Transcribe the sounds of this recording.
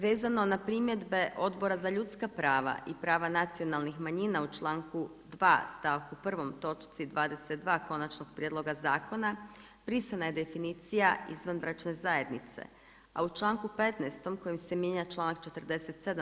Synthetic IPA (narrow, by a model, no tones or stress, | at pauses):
ʋeːzano̞napɾiːmje̞d̪be̞ʔo̞d̪bo̞ɾazaʎut̪skapɾaːʋa̰ʔipɾaːʋanat̪sio̞nalˠnixmaɲinaut͡ʃlˠaːŋku | d̪ʋa̰ːst̪aʋkupr̩ʋo̞mt̪o̞t͡ʃt̪sid̪ʋaːd̪e̞set̪̚d̪ʋaːko̞nat͡ʃno̞ɡ̥̚pɾjed̪lˠo̞ɡazaːkʰo̞na | pɾisanaje̞d̪e̞finit̪sijaizʋanbɾat͡ʃne̞zaje̞d̪nit̪sḛ | a̰ut͡ʃlˠaːŋkupe̞t̪nast̪o̞mko̞jimsemjeɲat͡ʃlˠaːnak̚t͡ʃe̞t̪r̩d̪e̞se̞t̪se̞d̪a